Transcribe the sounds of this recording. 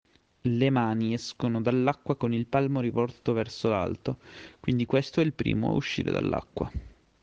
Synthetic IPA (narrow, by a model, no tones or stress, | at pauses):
lemaːniɛskonod̪alːakːwakonilpalmoɾivɔrt̪ovɛrsola̰lt̪okwind̪ikwest̪oɛilpɾḭːmo̰a̰uʃːḭːɾḛd̪a̰lːa̰kːwa̰